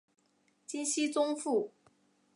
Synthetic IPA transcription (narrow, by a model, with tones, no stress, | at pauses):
t͡ɕi˥nɕi˥t͡sʊ˥ŋfu˥˩